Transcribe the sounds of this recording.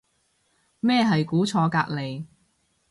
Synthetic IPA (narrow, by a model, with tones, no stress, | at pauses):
mɛː˥˧ɦɐ˨jkuː˨˥t͡sʰɔː˧kaː˧k̚le˨j